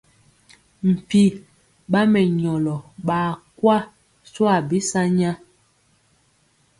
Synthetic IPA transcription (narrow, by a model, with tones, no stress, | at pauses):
m̩˨pi˦ | ɓa˦mɛ˨ɲɔ˨lɔ˨ɓaː˨kwa˦ | swa˦˨bi˦sa˦ɲa˦